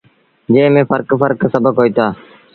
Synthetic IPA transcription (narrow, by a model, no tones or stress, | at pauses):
d͡ʒeːmẽːfəɾkfəɾksəbəkɦoːiːt̪aː